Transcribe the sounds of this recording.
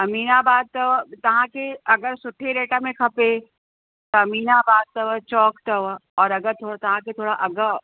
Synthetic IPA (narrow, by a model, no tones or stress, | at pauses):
ɐmiːnabaːd̪̚t̪ɐʋt̪ɐɦãkeɐɡəɾsʊʈʰːeɾeːʈamẽkʰɐpe | t̪oɐmiːnabaːd̪̚t̪ɐʋət͡ʃɔːkt̪ɐʋɔːɾɐɡəɾt̪ʰoːat̪ɐɦãket̪ʰoːɽaʔɐɡə